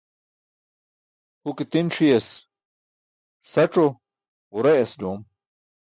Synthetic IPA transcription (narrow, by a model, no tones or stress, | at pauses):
hukit̪inʂijes | sɐʈ͡ʂo | uɾeɐsdom